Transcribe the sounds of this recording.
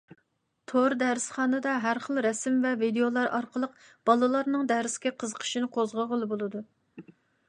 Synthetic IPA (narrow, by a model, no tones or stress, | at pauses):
t̪ʰoɾd̪ɛɾɪsχɑːnɨd̪ɑɦæɾχəlˠɾɛsɪmvɛvid̪ejolˠɑɾɑɾqəlˠəq̚b̥ɑlˠɨlˠɑɾnɨŋd̪ɛɾɪsɡʲɛqʰəzəqʰə̥ʃinɨqʰozʁəʁəlˠɨbolˠɨd̪u